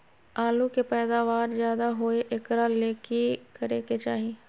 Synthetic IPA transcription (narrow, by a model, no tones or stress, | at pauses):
aːlukepɛːd̪aːʋaːɾzjaːd̪aɦoeʔɪkɾaleːkikəɾeːket͡ʃaːɦi